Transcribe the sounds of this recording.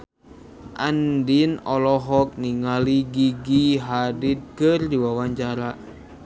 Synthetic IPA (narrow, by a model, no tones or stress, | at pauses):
ʔandinɔlɔɦɔk̚niŋaliɡiɡiɦadit̪̚kɨrdiwawaɲt͡ʃaɾa